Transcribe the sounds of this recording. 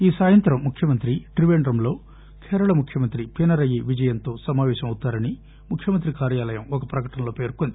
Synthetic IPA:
iːsaːjɐnt̪ɾɐmːukʰjɐmɐnt̪ɾiʈɾiʋeːɳɖɾɐmlo̞ː | kʰɛːɾɐɭɐmukʰjɐmɐnt̪ɾipenɐɾɐjiʋid͡ʒɐjɐnt̪o̞ːsɐmaːʋɛːʃɐmɐwut̪ːaːɾɐni | mukʰːjɐmɐnt̪̬ɾikaːɾjaːlɐjɐmɔkɐpɾɐkɐʈɐnɐlo̞ːpe̞ːɾkond̪i

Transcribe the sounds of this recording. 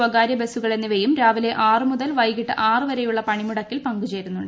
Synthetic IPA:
ɐɡaːɾjɐbe̞sːuɣɐɭe̞nːiʋejumɾaːʋile̞ʔaːrɨmuðɐlʋɐjɣiʈːɨʔaːrɨʋɐɾe̞juɭːɐpɐɳimuɽɐkːilpɐŋɡut͡ɕe̞ːɾunːuɳɖ

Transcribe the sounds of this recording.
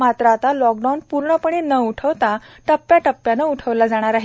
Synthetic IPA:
mat̪ɾat̪alɔk̚ɖawnpuɾɳəpəɳ̃enəuʈʰəʋt̪aʈəpːjaʈəpːjanəuʈʰəʋlad͡zaɽ̃aɾaɦi

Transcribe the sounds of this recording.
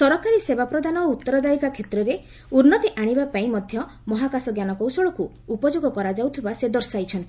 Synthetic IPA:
sɔɾɔkaɾisebapɾɔd̪anɔout̪ːɔɾɔd̪aikakʰet̪ɾɔɾe | uɾnɔt̪iʔaɽ̃ibapaĩmɔd̪ʱjɔ | mɔɦakasɔɡjanɔkɔwsɔɭɔkuː | pɔd͡ʒoɡɔkɔɾad͡ʒawt̪ʰibased̪ɔɾsajt͡ʃʰɔnt̪i̥

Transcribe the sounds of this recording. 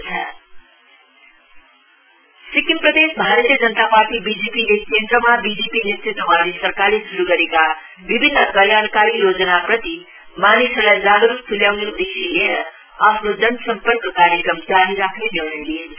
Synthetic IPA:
t͡sʰɐ̰ | sikimprʌd̪esbʱaɾt̪ijəd͡zʌnət̪apaɾʈibid͡zepilekʰend̪ɾəmabid͡zepinet̪rit̪ːəmanesʌɾkalesuɾuɡʌɾeka | bibʱinːəkʌljaɽkaɾijod͡zənaprʌt̪i | manisəlajd͡zaɡɾuk̚t̪ʰuljawneud̪esilenʌ | apʰnod͡zʌnsʌmpəɾkəkaɾjəkɾʌmd͡ʒaɾiɾakʰnenirɳ̃ʌjliɦn

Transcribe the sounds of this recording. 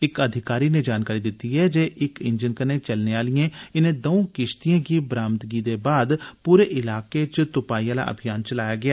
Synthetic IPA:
ɪkəd̪ʱɪkaːɾiːned͡ʒaːnkaːɾiːd̪ɪt̪ːiɦɛːd͡ʒeːʔɪkɪɲd͡ʒənkənẽːt͡ʃəlneaːlijẽːɪnẽːd̪oõkɪʃt̪ijãːkiːbɾaːmt̪ɡiːd̪eːbaːd̪puːɾeːʔɪlaːket͡ʃt̪ʊpaːijaːla̰ːʔə̰bʱijaːnt͡ʃəlaːjaːɡɪjaː

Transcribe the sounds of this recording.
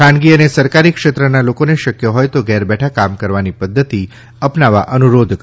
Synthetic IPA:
ãnɡiənesəɾkaɾikʃet̪ɾənalokoneʃəkjoɦɔjt̪oɡɛɾbɛʈʰakamkəɾʋanipəd̪ʱːət̪i | əpnaʋa̰ʔənuɾod̪ʱk

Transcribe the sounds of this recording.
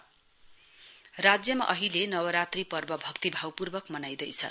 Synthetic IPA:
rad͡zjʌmaʔʌɦilenʌwʌɾat̪ripʌrbʌbʱʌkt̪ibʱawpurbʌkmʌnajd̪ʌjt͡sʰʌ̰

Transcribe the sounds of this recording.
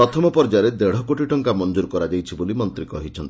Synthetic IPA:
ɾɔt̪ʰɔmɔpɔɾd͡ʒaɾed̪eɽ̤ɔkoʈiʈɔŋkamɔnd͡ʒuɾkɔɾad͡ʒajt͡ʃʰibolimɔnt̪ɾikɔɦitt͡ʃʰɔnt̪i

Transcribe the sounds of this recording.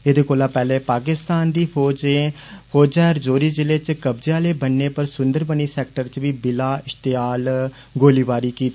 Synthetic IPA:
ed̪eːkoːlãːpɛːleːpaːkɪst̪aːnd̪iːoːd͡ʒefʰoːd͡ʒaːɾd͡ʒoːɾiːd͡ʒɪleːt͡ʃkəbd͡ʒjãːleːbənːeːpəɾsʊnd̪əɾbəniːsɛːk̚ʈəɾt͡ʃʋiːbɪlaːɪʃt̪ɪaːl | ɡoːliːʋaːɾiːkiːt̪ː

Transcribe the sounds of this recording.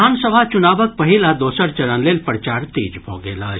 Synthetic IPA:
aːnsəbʱat͡ʃʊnaːbək̚pɐɦilaːd̪oːsəɾt͡ʃɐɾənleːlpəɾt͡ʃaːɾt̪iːd͡ʒbʱo̰ːɡeːla̰ː

